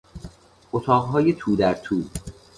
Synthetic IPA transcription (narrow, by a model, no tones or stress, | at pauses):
ʔot̪ʰɒːʁɦɒːjet̪ʰuːd̪æɾt̪ʰuː